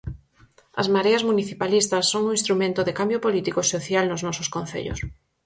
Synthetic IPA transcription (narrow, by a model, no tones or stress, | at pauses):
ɐ̰zmaɾeɐzmuniθipalist̪ɐsːoŋuĩnst̪ɾumẽnt̪ʊðɪkambjopolit̪ikosoθjalnʊznɔsoskon̟θḛʎo̰s